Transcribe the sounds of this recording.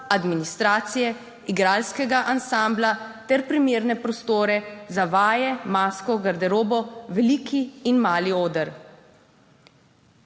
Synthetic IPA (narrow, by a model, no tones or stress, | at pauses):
ad̪minist̪ɾaːt̪sijɛ | iɡɾaːlskɛɡaʔansamblat̪ɛɾpɾimeːɾnɛpɾɔst̪oːɾɛzaʋaːjɛmaːskɔɡaɾd̪ɛɾoːbɔʋɛliːkʰiːnmaːlioːd̪əɾ